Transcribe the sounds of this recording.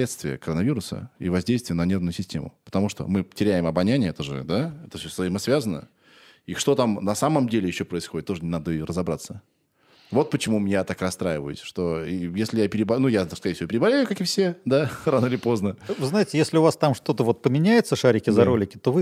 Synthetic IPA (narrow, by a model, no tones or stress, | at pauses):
lʲet̪st̪vʲɪjə̰kəɾənɐvʲiɾʊsə̰ḭvɐzʲdʲejst̪vɪjənɐnʲe̞rnʊjʊsʲɪsʲtʲemʊ̰pə̥t̪ɐmuʂt̪o̰mɨtʲɪɾʲæjɪmɐbɐnʲænʲɪəɛt̪əʐɨ̰d̪aɛt̪ə̥fsʲoszɐɪməsvʲazənə̰ | iʂt̪o̞t̪amnɐsaməmdʲelʲɪjɪɕːopɾəɪsxo̞dʲɪt̪ːo̞ʐɨnʲɪnad̪əirəzɐbɾat̪sːə | vo̞t̪̚pət͡ɕɪmumʲnʲat̪akrɐst̪ɾajɪvəjʊ̰sʲʂt̪o̞ijesʲlʲɪjapʲɪɾʲɪbɐnujaskɐɾʲejfsʲɪvopʲɪɾʲɪbɐlʲejʊkakɪfsʲe̞d̪aranəilʲɪpo̞znəvɨznaɪtʲɪjesʲlʲɪʊvast̪amʂt̪o̞t̪əvo̞t̪̚pəmʲɪnʲæjɪt̪səʂaɾʲɪkʲɪzɐɾolʲɪkʲɪ̥t̪o̞vɨ